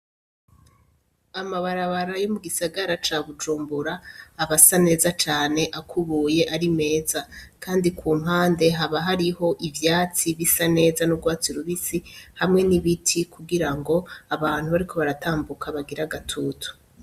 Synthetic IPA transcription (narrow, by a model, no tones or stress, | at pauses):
amaβaɾaβaɾajomuɡisaɡaɾat͡ʃaːβud͡ʒuːmbuɾaːβasane̞ːzat͡ʃaːne̞ʔakʰuβuːje̞ʔaɾime̞ːzakʰaːndikʰuːm̥ɦaːnde̞ɦaβaɦaɾiho̞ʔivjaːt͡siβisane̞ːzanuɡwaːt͡siuɾuβisihamŋe̞niβitʰikuɡiɾaŋɡo̞aβaːn̥huβaɾikʰo̞βaɾatʰaːmbukʰaβaɡiɾaɡatʰuːtu̥